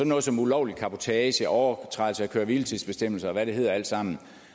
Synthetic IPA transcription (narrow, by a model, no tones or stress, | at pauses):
sɒ̽nɔ̽ːð̞̩ˠsɒ̽mulɒʊli̥kʰɑ̈pʰo̝t͡sʰɛːɕəʔɒʊɐt͡sʰʁɑ̈ɪl̩sʰəækʰøːɐʋilt͡sʰisb̥e̝sd̥em̰l̩sɐːʋæɾ̥ee̝ð̞̰ˠɐæl̰d̥sɑ̈m̰n̩